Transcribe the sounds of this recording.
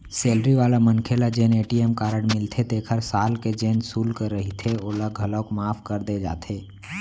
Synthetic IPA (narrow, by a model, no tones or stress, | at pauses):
seːlɾiʋaːlamənkʰeːlad͡ʒeːneːʈieːmkaːɾəɽ̃mɪlt̪ʰet̪eːkʰəɾsaːlked͡ʒeːnsuːlkəɾːəɦit̪ʰeoːlaɡʱɐləkmaːfʰkəɾd̪ed͡ʒa̰ːt̪ʰeː